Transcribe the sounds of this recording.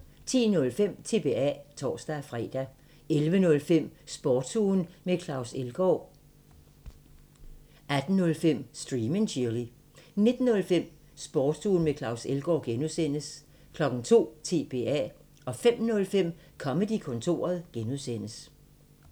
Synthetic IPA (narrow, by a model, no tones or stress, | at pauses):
t͡sʰḭːnɔ̽lfem̰t͡sʰe̝b̥e̝ːæ̰t͡sʰɒ̰ːsd̥æfʁɛ̰ːd̥æ | elʋənɔ̽lfem̰sb̥ɒːd̥sʰuːnmekʰlɑ̈ʊselɡ̥ɒ | æd̥n̩nɔ̽lfem̰sd̥ʁiːmenɕʰiɐli | ne̝d̥n̩ːɔ̽lfem̰ | sb̥ɒːd̥suːn̩mekʰlɑ̈ʊselɡ̥ɒːɡ̥enuðˠsen̰əs | kʰlɒ̽ɡ̥n̩t͡sʰo̝̰ːt͡sʰe̝̰ːb̥e̝̰ːæ̰ | ɒ̽fem̰nɔ̽lfem̰ | kʰɒ̽məd̥ikʰɔ̽nt͡sʰo̝̰ːɐð̞̩ˠɡ̥enuðˠsen̰əs